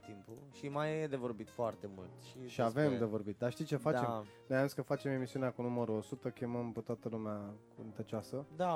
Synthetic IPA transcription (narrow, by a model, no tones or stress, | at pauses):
t̪impuʃimajed̪evo̞rbit̪foart̪emult̪ʃiʃiaave̞md̪e̞vo̞rbit̪̚d̪aʃt̪ijt͡ʃe̞fat͡ʃem | neamũnskəfat͡ʃe̞me̞misiuneakunuməɾuosut̪əkʲeməmpet̪oat̪əlumeakunt̪ət͡ʃoasəd̪a